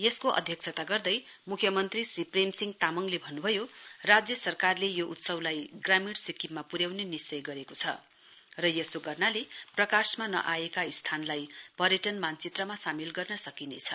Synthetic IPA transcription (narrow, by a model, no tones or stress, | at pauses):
jeskoʔʌ̰d̪ʱjʌk̚t͡sʰʌt̪aɡʌrd̪ʌj | mukʰjʌmʌnt̪risripremsiŋɡt̪amʌŋlebʱʌnːubʱʌjorad͡zjʌsʌrkarlejoʔut̪sʌwlajɡramiɽsikʰːipmapuɾjawnenist͡sʌjɡʌɾekot͡sʰʌ̰ | rʌjesoɡʌrnaleprʌkasmanʌ̰ʔajekaist̪ʰanlajpʌɾjʌʈʌnmant͡sit̪rʌmasamilɡʌrnʌsʌkinḛt͡sʰʌ